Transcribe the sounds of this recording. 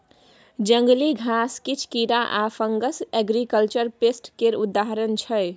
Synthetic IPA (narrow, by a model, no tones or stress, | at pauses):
d͡ʒəŋɡliɡʱaskit͡ʃʰkiɾaʔapʰəŋɡəsɛɡɾikəlt͡ʃəɾpesʈkeɾud̪aɦɾənt͡ʃʰəj